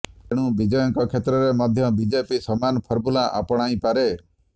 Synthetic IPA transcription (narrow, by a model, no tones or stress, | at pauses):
eɽ̃ũbid͡ʒɔjɔŋkɔkʰet̪ɾɔɾemɔd̪ʱjɔbid͡ʒepisɔmanɔpʰɔɾbulaʔa̰pɔɽ̃aĩpaɾe